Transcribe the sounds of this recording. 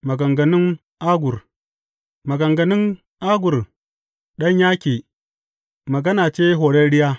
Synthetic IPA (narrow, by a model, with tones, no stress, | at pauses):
mɐ˨ɡɐ˨ŋɡɐ˨nɪ˦ŋ | ʔa˦ɡʷʊ˨r | mɐ˨ɡɐ˨ŋɡɐ˨nɪ˦ŋ | ʔaː˦ɡʊ˨r | ɗɐ˦ɲjaː˦kʲeː˨ | mɐ˨ɡɐ˦naː˨t͡ʃeː˦ɦoː˨ɽɛ˦nɽɪ˦jaː˦